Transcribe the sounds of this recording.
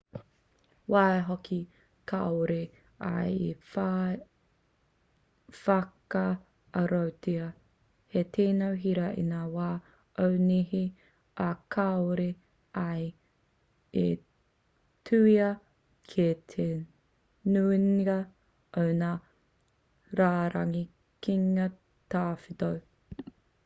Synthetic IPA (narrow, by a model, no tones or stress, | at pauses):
waːeɦokʰi | kʰaoɾe | ɐ̰jefa | fɐkɐ | ɐɾowtiɐ | hetʰeːnowɦiɾɐʔḭnaːwaː | ʔowniɦi | ɐkʰaoɾe | ɐj | e | tʰuːiɐ | kʰetʰe | nunɐ | ownaː | ɾaːɾɐŋi | kiŋɐ | t̪aːfitow